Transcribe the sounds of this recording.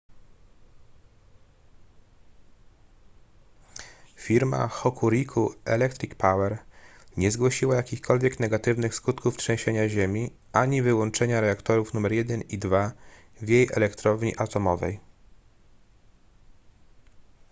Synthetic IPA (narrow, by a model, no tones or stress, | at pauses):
fʲiɾma̰xɔkʰuɾʲikʰuʔɛlɛkt̪ɾʲikpawɛɾɲɛzɡwɔɕiwajakʲixkʰɔlvʲjɛknɛɡat̪ɘvnɘxskut̪kuftʂɛ̃w̃ɕeɲaʑemʲi | ʔaɲivɘwɔnt͡ʂɛɲaɾɛakt̪ɔɾufnumɛɾjɛd̪ɛnid̪va | vjejʔɛ̰lɛkt̪ɾɔvɲiʔat̪ɔmɔvɛ̰j